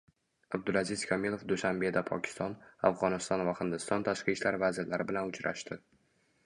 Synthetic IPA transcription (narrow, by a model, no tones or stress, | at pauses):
ab̚d̪ʊlˠazɪz̥kʲʰɒmilˠo̞fd̪ʊʃambe̞d̪apʰɒ̰kʲʰɪ̥st̪ɒna̰fʁɒnɪst̪ɒnvahɪnd̪ɪst̪ɒnt̪ʰaʃqɨʃlaɾvazɪɾlaɾɪbɪlanʊt͡ʃʰɾa̰ʃt̪ʰɪ